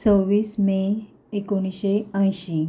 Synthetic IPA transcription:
t͡səʋiːsme | ekoɽ̃iɕeə̃j̃ɕi

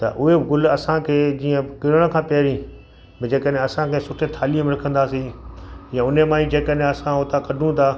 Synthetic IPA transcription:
t̪ɐ̰ʔʊɦeɪɡʊlɐsãkʰeːd͡ʑiːə̃kɪɾəɽ̃̆kʰãːpeɦɾĩ | bɪd͡ʑeːkəɗɦẽɐsãkʰeːsʊʈʰet̪ʰaːlijə̃mẽɾɐkʰə̃nd̪aːsĩjãʊnemãːĩd͡ʑeːkəɗɦẽɐsãɦoːt̪akɐɖʱũt̪ʰaː

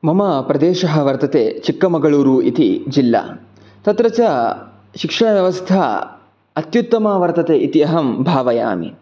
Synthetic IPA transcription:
mɐmɐpɾɐd̪eːʃɐɦɐʋɐɾt̪ɐt̪eːt͡ʃikːɐmɐɡɐɭuːɾuːʔit̪id͡ʒilːa̰ː | t̪ɐt̪ɾɐt͡ʃɐ | ʃikʂɐɳ̃ɐʋjɐʋɐst̪ʰɐ | ɐt̪jut̪ːɐmaːʋɐɾt̪ɐt̪eːit̪iɐɦɐmbʱaːʋɐja̰ːmḭ

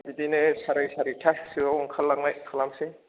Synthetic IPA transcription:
bidinɯsaɾajsaɾitʰasiwawŋkʰalːaŋnajkʰalamse

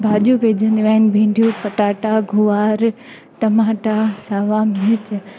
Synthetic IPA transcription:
bʱaːʄubʱeːd͡ʑʱə̃nd̪iʋaːɦɪnɪ̆bʱẽːɳɖʱijũpɐʈaːʈaɡʱuaːɾ | ʈɐmaːʈasaːʋaːmɪɾt͡ɕ

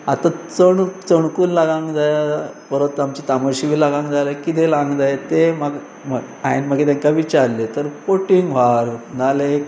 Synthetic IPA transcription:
a̰t̪at͡səɳt͡səɳkuːnlaɡãŋɡd͡zajapəɾot̪ːamt͡ɕit̪amaɕiʋiːlaɡãŋɡd͡zalekit̪elaŋɡd͡zajat̪emaɡ | mə | a̰jnm̤əɡet̪̬jãŋkaʋit͡ɕaɾlet̪əɾkoʈiŋɡʋ̤aɾnale

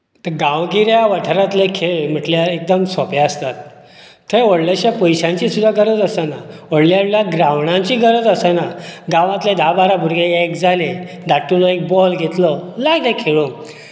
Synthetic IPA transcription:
t̪əɡãwɡiɾjaʋəʈʰəɾat̪lekʰeɭm̤əʈljaek̚d̪əmsɔpeəst̪at̪ːʰ | eɔɽlaɕapəjɕãɲt͡ɕisud̪ʱːaɡəɾət͡s̪əsənaɔɽljaɽljaɡɾaʋɳãɲt͡ɕiɡʱəɾəd͡zəsənaɡãʋãt̪led̪ʱabaɾabʱuɾɡeekd͡zale | d̪aʈulɔek̚bɔlɡʱet̪lɔlaɡlekʰeɭõ

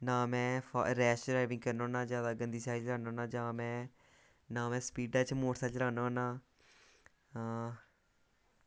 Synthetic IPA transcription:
nãːmɛ̃ːfʰa̰ɾɛːsɾaːɪʋɪ̃ŋɡkəɾnoːnãːzjaːd̪aːɡənd̪iːsaːiɾaːnoːnãːd͡ʒãːmɛ̃ː | nãːmɛ̃ːspiːɖaːt͡ʃmoːʈsaːt͡ʃɾaːnːonãː

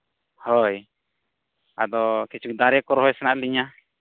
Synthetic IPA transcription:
hɔj | a̰d̪ɔkit͡ʃʰuk̚d̪aɾɛkɔɾɦɔjsɛnaʔ̪̚liɲa

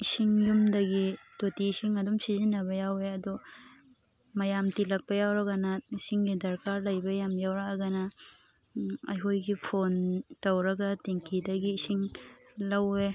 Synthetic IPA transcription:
isiŋjumdɐɡitotiːsiŋɐdumsizinːɐβɐjaweɐdɔ | mɐjamtilɐk̚pɐjawɾɐɡɐnɐisiŋɡidɐɾkaɾlɐjbɐjamjawɾaʔaɡɐnɐ | ɐjɦojɡipʰontɐwɾɐɡɐteŋkidɐɡiːsiŋ | lɐwe

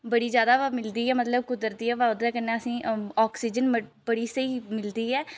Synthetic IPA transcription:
bəɽiːd͡ʒjaːd̪aːamɪld̪iːɛːmət̪ləb̚kʊd̪əɾt̪iːɛːʋaːʊd̪ɛːkənːɛːəsĩːɔːksiːd͡ʒənməbəɽiːsəiːmɪld̪iːɛː

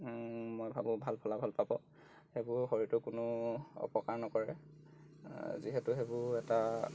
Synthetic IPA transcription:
mojbʱabʊ̃bʱalpʰɔlabʱalpabɔ | hebʊɹxoɹitɔkʊnʊɔ̰pɔkaɹnɔkɔɹɛ | ziɦɛtʊxebʊɹɛta

